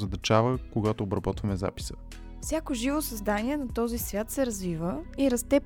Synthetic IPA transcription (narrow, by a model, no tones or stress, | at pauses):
zɐd̪ɐt͡ʃavəkoɡat̪oːbɾɐbɔt̪vɐmɛza̰pi̥sə | fsʲjakoʒivosɐzd̪aniɛnɐt̪ɔzisvʲjat̪sɛɾɐzvivəiɾɐst̪ɛp